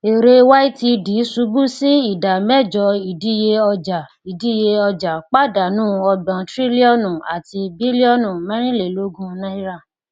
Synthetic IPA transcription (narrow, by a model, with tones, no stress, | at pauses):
e˨ɾe˧wa˦i˦ti˧di˨˦su˧˦bu˦si˦i˦˨da˨mɛ˦˨d͡ʒɔ˧i˨di˦je˧ɔ˧d͡ʒa˨ | i˨di˨˦je˧ɔ˧d͡ʒa˨k͡pa˦˨da˨nũː˦ɔ˧bã˨tɾi˦li˦ɔ˦nũ˨a˨ti˧bi˦li˦ɔ˦˨nũ˨mɛ̃˦ɾ̃ĩ˦le˨lo˦ɡũ˦nã˦i˦ɾa˦˨